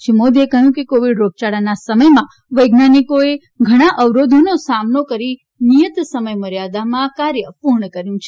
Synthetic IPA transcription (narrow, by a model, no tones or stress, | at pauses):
ʃimod̪ekəɦjũkekoʋiɖɾok̚t͡ʃaɽanasəməjmã | ʋəjɡnanikoe | ɡʱəɽ̃aʔəʋɾod̪ʱonosamnokəɾi | nijət̪səməjməɾjad̪amãkaɾjəpuɾɳəkəɾjũt͡ʃʰe